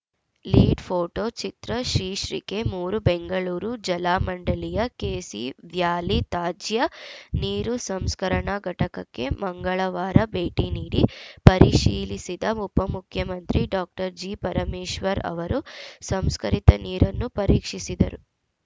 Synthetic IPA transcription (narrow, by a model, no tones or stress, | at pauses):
liːɖpʰoːʈoːt͡ʃit̪ɾɐʃɾiːʃɾḭke̞muːɾubeŋɡɐɭuːɾud͡ʒɐlaːmɐɳɖɐlijɐkeːsḭʋjaːlit̪aːd͡ʒjɐniːɾusɐmskɐɾɐɳaɡɐʈɐkɐkːe̞̰mɐŋɡɐɭɐʋaːɾɐbeːʈiniːɽipɐɾiʂiːlisid̪ɐmupːɐmukʰjɐmɐnt̪ɾiɖaːk̚ʈɐɾd͡ʒiːpɐɾɐmiːʃʋɐɾɐ̰ʋɐɾusɐmskɐɾit̪ɐniːɾɐnːupɐɾiːkʂisid̪ɐ̰ɾu